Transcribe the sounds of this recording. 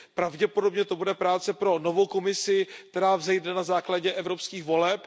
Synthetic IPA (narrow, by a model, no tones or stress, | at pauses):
pɾavɟɛpo̞do̞bɲɛt̪o̞budɛpɾaːt͡sɛpɾo̞no̞vowko̞mɪsɪk̚t̪ɛɾaːvzɛjdnɛnazaːklaɟɛʔɛvɾo̞pskiːxvo̞lɛp